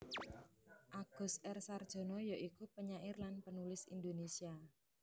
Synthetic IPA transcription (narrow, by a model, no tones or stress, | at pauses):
ʔaɡ̥ɔ̤sɛrsard̥ʒ̥o̤nɔjaʔikupəɲaʔɪrlanpənulɪsḭnd̪onesia